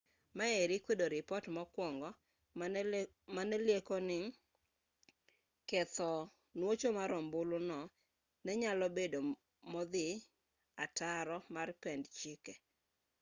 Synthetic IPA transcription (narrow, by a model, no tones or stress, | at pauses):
maeɾɪkwedoɾɪpɔtmɔkwɔŋɡɔ | manɛljekɔnɪŋ | kɛt̪ɔ | nwot͡ʃomaɾɔmbʊlʊnɔ | nɛɲalɔbedo | mɔd̪ɪ | ataɾɔmarpɛndt͡ʃikɛ